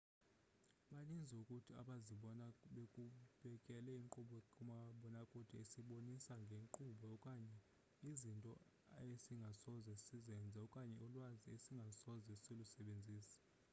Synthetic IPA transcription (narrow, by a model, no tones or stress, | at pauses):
ɓanind͡zʱɛukʼutʰia̰ɓaziɓɔnaɓekʼuɓ̥ɛkʼɛlɛiŋǃuɓɔkʼumaɓɔnakʼud̥ʱiesiɓonisaŋɡʱeŋǃuɓɔɔkʼaɲɛ | izintʼɔ̰ | esiŋɡʱasɔzɛsizɛnd͡zʱaɔkʼaɲɛulwaziesiŋɡʱasɔzɛsilusɛɓend͡zʱiːsḁ